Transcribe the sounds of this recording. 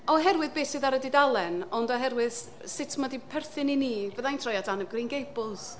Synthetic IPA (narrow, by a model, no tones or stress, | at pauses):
ɔɦɛrwɨðbeːsɨðaɾədidalˠɛnɔndɔɦɛrwɨð̥ | sɪtʰmadipʰɛrθɨniniːvəðajntʰrɔjatʰanəb̚ɡrinɡejbʊs